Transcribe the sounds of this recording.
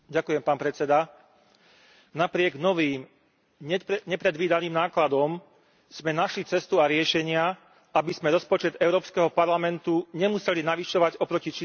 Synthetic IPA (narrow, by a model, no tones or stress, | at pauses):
ɟakujɛmpaːnpɾɛt͡sɛd̪a | napɾɪɛɡnɔʋiːm | ɛɲɛpɾɛd̪ʋiːd̪aniːmnaːklad̪ɔm | z̥mɛnaʃlit͡sɛst̪uaɾɪɛʃɛɲɪa | abizmɛɾɔspɔt͡ʃɛd̪ɛʊɾɔːpskɛɦɔpaɾlamɛnt̪uɲɛmusɛlinaʋiʃɔʋaɟɔpɾɔcit͡ʃi